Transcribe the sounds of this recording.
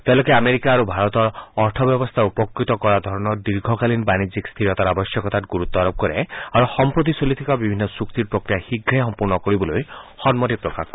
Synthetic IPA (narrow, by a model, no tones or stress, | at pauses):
t̪elokeameɾikaːɾubʱaɾɔt̪ɔɾɔɾt̪ʰɔbjɔbɔst̪ʰaupɔkɾit̪ɔkɔɾad̪ʱɔɾɔnɔɾd̪iɾɡʱɔkalinbanid͡ʒikst̪ʰiɾɔt̪aɾabɔsjɔkɔt̪atɡuɾut̪ːɔaɾɔb̚kɔɾeaɾuxɔmpɾot̪̬isolit̪ʰikabibʱinːɔsukt̪iɾpɾokɾijahiɡʱːesɔmpuɾnɔkɔɾibɔlojhɔnmɔʈipɾɔkakk